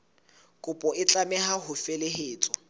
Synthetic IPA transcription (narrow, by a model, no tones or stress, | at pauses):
kʼʊpʼɔɪt͡ɬʼamɛɦaɦʊfeleɦeːt͡sʼɔ